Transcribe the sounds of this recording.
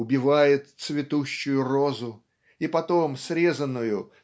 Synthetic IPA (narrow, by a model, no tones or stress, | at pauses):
ʊbʲɪvajɪt̪t̪svʲɪt̪uɕːʊjʊro̞zʊ | ipɐt̪omsɾʲezənːʊjʊ